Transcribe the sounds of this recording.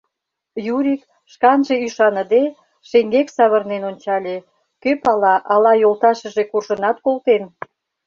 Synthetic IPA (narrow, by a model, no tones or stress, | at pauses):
juɾʲik | ʃkɑnʒe̽yʃɑnə̆d̪e | ʃeŋɡeksɑβərnenonʲt͡ɕɑlʲe | køpɑlɑʔɑlɑjolt̪ɑʃə̆ʒekurʒə̆nɑt̪kolt̪en